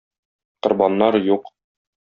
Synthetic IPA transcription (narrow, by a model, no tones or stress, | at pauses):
qŏɾbɑnːɑɾjuq